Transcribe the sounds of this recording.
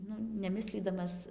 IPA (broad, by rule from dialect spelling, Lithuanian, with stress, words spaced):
ˈnʊ nʲɛˈmʲɪsʲlʲiːdɐmɐs